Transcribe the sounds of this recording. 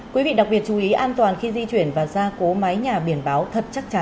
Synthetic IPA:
kwi˨˦vḭ˧˨ɗa˨˩k̚ɓi˨˩ət̚t͡ɕu˨˩ʔi˨˦ʔaː˧nt̪waː˨˩nxi˧zi˧t͡ɕwi˧˩ənvaː˨˩zaː˧ko˨˦ma˨˦jɲaː˨˩ɓi˧˩ənɓaː˨˦wt̪ʰə˨˩t̚t͡ɕa˦˥k̚t͡ɕa˨˧˦n

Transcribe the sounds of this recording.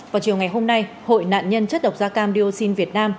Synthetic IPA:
vaː˨˩wt͡ɕi˨˩əwŋa˨˩jɦo˧mna˧j | ho̰˧˨jna̰ː˧˨nɲə˧nt͡ɕə˦˥t̚ɗə˨˩k͡p̚zaː˧kaː˧mɗi˧o˧si˧nvi˨˩ət̚naː˧m

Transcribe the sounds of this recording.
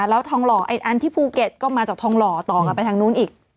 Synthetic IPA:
lɛː˦˥wt̪ʰɔː˧ŋlɔː˨˩ʔa˧˩jʔa˧nt̪ʰiː˥˩pʰuː˧ke˨˩t̪̚kɔː˥˩maː˧t͡ɕaː˨˩k̚t̪ʰɔː˧ŋlɔː˨˩t̪ɔː˨˩ŋka˧npa˧jt̪ʰaː˧ŋnuː˦˥nʔiː˨˩k̚

